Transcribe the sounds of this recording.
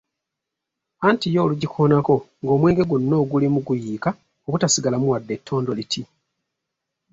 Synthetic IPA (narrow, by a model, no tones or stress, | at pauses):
antijo̞ːluɟikʰoːnako̞ŋɡo̞ːmwe̞ːŋɡe̞ɡunːo̞ːɡulimuɡujiːka | oβutasiɡalamuwadːe̞tʰːo̞ːndo̞litʰi